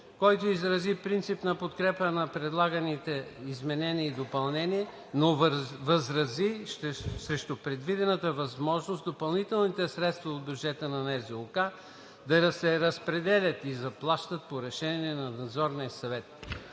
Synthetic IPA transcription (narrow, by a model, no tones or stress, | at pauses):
kɔjt̪oizɾɐzipɾint̪sipnɐpot̪kɾɛpənɐpɾɛd̪lˠaɡɐnit̪ɛizmɛnɛniːd̪opɐlˠnɛniɛ | novɐzɾɐziʃsɾɛʃt̪opɾɛd̪vid̪ɛnət̪əvɐzmɔʒnost̪d̪opɐlˠnit̪ɛlˠnit̪ɛsɾɛt̪st̪vɐod̪̚bʲjud͡ʒɛt̪ənɐnɛzɛlˠʊka | d̪ɐɾɐsɛɾɐspɾɛd̪ɛlʲət̪izɐplˠaʃt̪ət̪̚poɾɛʃɛniɛnɐnɐd̪zɔɾniəsɐvɛt̪